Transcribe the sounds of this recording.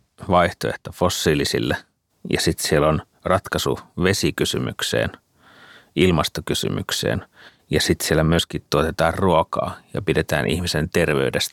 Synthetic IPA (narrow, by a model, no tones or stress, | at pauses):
ʋɑiht̪oeht̪ofosːiːlisḭlːe | jɑ̰sit̪sielon | rɑt̪kɑsṵʋesikysymy̰ksḛːn | ilmɑst̪okysy̰my̰ksḛːn | jɑsit̪sielːæmyøskit̪t̪uot̪et̪ɑːrruokɑ̰ːjɑ̰pidet̪æ̰ːnʔḭhmisent̪erʋeydest̪